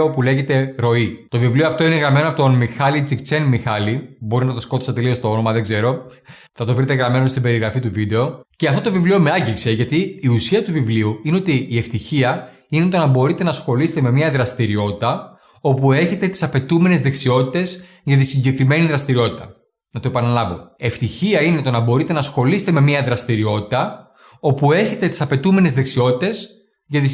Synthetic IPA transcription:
opule̞ʝe̞t̪e̞ɾo̞it̪o̞vivlioɐft̪o̞ineɣɾɐme̞noɐpot̪onmixɐlit͡sikt͡senmixɐlibo̞ɾinɐt̪o̞skot̪i̥sɐt̪e̞lio̞st̪oo̞no̞mɐðeɡze̞ɾo̞ | θɐt̪o̞vɾit̪eɣɾɐme̞nost̪ibe̞ɾiɣɾɐfit̪uvid̪e̞o̞ceɐft̪ot̪ovivlio̞me̞ɐɟikse̞ʝɐt̪iːusiɐt̪uvivliuineo̞t̪iːe̞ft̪içiɐ | ine̞t̪o̞nɐbo̞ɾit̪e̞nɐsxo̞lise̥t̪eme̞mɲɐðɾɐst̪iɾio̞t̪it̪ɐ | o̞pue̞çe̞t̪e̞t̪i̥sɐpe̞t̪ume̞ne̞zðe̞ksio̞t̪i̥t̪e̞z | ʝɐt̪isiɲɟe̞kɾime̞niðɾɐst̪iɾio̞t̪it̪ɐ | nɐt̪oepɐnɐlɐvo̞̰e̞ft̪içiɐine̞t̪o̞nɐbo̞ɾit̪enɐsxo̞lise̥t̪eme̞miɐðɾɐst̪iɾio̞t̪i̥t̪ɐ | o̞pue̞çe̞t̪e̞t̪i̥sɐpe̞t̪ume̞ne̞zðe̞ksio̞t̪it̪e̞s | ʝɐt̪i

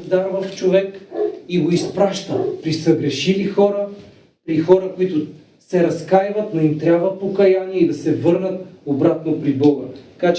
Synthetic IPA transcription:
zd̪aɾvɐft͡ʃovɛkiɡoispɾaʃt̪əpɾisɐɡɾɛʃivixɔɾə | pɾixɔɾəkoit̪ʊ | sɛɾɐskajvɐt̪noimt̪ɾʲabvɐpokɐjaniɛid̪ɐsɛvɤɾnət̪obɾat̪nopɾibɔɡəɐkat͡ʃ

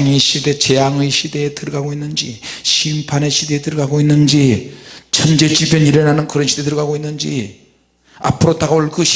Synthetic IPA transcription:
ŋɯjɕʰide̞t͡ɕe̞jaŋɯjɕʰide̞ːtɯɾɯɡaɡoinːɯnd͡ʑiɕʰimpʰaneɕʰide̞ːtɯɾɯɡaɡoinːɯnd͡ʑit͡ɕʰʌnd͡ʑe̞t͡ɕ͈ibjʌniɾenɦanɯnkɯɾʌnɕʰide̞tɯɾɯɡaɡoinːɯnd͡ʑi | a̰pʰɯɾotaɡoɭɡɯɕ

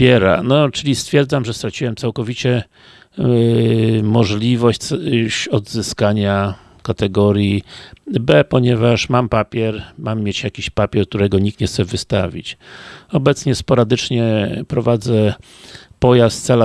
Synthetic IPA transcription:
ɛɾa̰nɔt͡ʂɘlʲist̪fʲjɛɾd̪zamʐɛst̪ɾat͡ɕiwɛmtsawkɔvʲit͡ɕɛ | mɔʐlʲivɔɕt͡ɕɕɔd̪zɘskaɲa | kat̪ɛɡɔɾʲji | bɛpɔɲɛvaʂmampapʲjɛɾmamːjet͡ɕjakʲiɕpapʲɛɾk̚t̪uɾɛɡɔɲik̚t̪ɲɛxt̪sɛvɘst̪avʲḭt͡ɕɔbɛt̪sɲɛspɔɾad̪ɘt͡ʂɲɛpɾɔvad̪zɛ | pɔjast̪sɛla

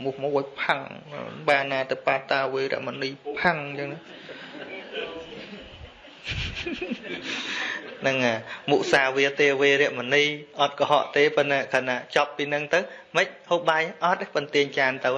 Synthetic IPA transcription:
muhmojpʰaŋ̰ɓaːnaːt̪əwpaːt̪ːaːʋeːɾɛ̰̆əʔmoniːpʰaŋt͡ɕəŋna | nɨŋʔaːmuʔsaːʋiət̪eːʋeːɾɛ̆əʔmoniːʔɑt̪̚kɑɦɑ̰ʔt̪eːpɨnːaːkʰaːnaːt͡ɕɑpːiːnɨŋt̪ɨwməc̚hoːɓajʔɑt̪̚pənt̪iəɲt͡ɕaːnt̪ɨw

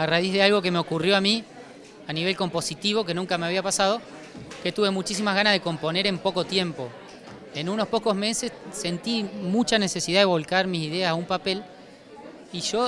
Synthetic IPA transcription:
araizðealɣo̞k̬e̞meokurjo̞ami | aniβ̞e̞lko̞mpo̞sit̪iβoke̞nũŋkame̞aβiapasað̞o̞ | ke̞t̪uβe̞mut͡ʃis̬imazɣanazðe̞ko̞mpo̞ne̞ɾempo̞ko̞t̪je̞mpo̞ | enuno̞spo̞ko̞sme̞se̞sse̞nt̪imut͡ʃane̞se̞siðaðe̞β̞o̞lkaɾmis̬iðeasaumpape̞l | iʒo̞

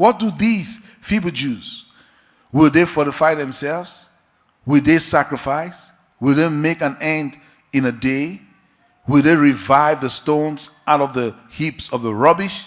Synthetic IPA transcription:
wɔt̚duðiz̥ | fibəd͡ʒuz | wɪlˠðefɔɾəfaɪðɛ̃msɛlvz | wɪlˠðesækɹɨfaɪs | wɪlˠðemekæ̃nɛ̃nd | ɨ̃nəde | wɪlˠðeɹivaɪvðəstõnz | aʊɾɔvðə | hipsɔvðəɹɔbɪʃ

